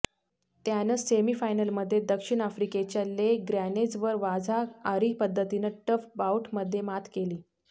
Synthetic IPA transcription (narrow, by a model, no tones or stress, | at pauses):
t̪janəsemiːfajnəlməd̪ʱːjed̪əkʂiɳ̃afɾiket͡ɕalːeɡɾaned͡zʋəɾʋad͡zʱaaɾiːpəd̪ʱːət̪inəʈəfbawʈməd̪ʱːjemat̪ʰkeliː